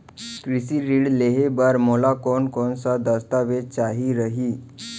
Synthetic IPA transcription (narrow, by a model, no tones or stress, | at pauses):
kɾisiɾiːɽleɦebaɾmolakɔnkɔnsad̪əst̪aʋet͡ɕaɦiɾəɦiː